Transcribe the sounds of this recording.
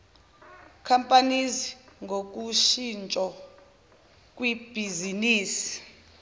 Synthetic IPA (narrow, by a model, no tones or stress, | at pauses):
kʰampʼaniziŋɡʱok̬ʼuʃint͡ʃʼɔ | kʼwib̥ʱiziniːsi̥